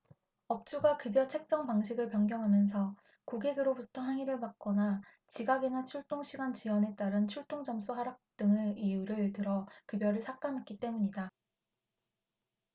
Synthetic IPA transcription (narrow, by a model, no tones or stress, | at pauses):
ʌp̚t͡ɕ͈uɡakɯbjʌt͡ɕʰe̞k̚t͡ɕ͈ʌŋpaŋɕʰiɡɯɭpjʌŋɡjʌŋɦamjʌns̬ʰʌ | koɡeɡɯɾobutʰʌɦaŋiɾɯɭmak̚k͈ʌna | t͡ɕiɡaɡenat͡ɕʰuɭt͈oŋɕʰiɡant͡ɕiwʌne̞t͈aɾɯnt͡ɕʰuɭt͈oŋd͡ʑʌms͈uɦaɾak̚t͈ɯŋɯijuɾɯɭtɯɾʌkɯbjʌɾɯɭsʰak̚t͈amɦek͈̚it͈e̞muɲida